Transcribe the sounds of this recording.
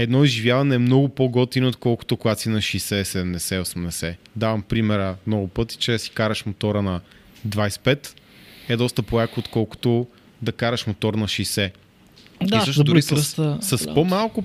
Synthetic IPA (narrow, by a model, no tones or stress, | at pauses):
ɛd̪nɔizʒivʲjavɐnɛːmnɔɡʊpoɡɔt̪inot̪kɔlˠkʊ̥t̪ʊkʊɡat̪sinɐʃisɛsɛd̪ɛmd̪ɛsɛosmnɛsɛd̪avɐmpɾimɛɾəmnɔɡʊpɤt̪i̥t͡ʃɛsi̥kaɾɐʃmot̪ɔɾənɐ | d̪vaispɛt̪ | ɛd̪ɔst̪əpolakoot̪kɔlˠkʊ̥t̪ʊ | d̪ɐkaɾɐʃmot̪ɔɾnɐʃijsɛ | d̪əʃd̪d̪isssɐspomalˠkʊ